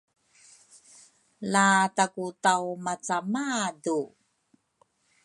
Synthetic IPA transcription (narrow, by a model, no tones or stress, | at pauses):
latakutawmat͡samadu